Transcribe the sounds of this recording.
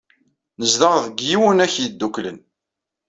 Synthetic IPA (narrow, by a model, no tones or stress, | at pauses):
nəzðəʁðəɡjiwənæçjəd̪ːuklə̰n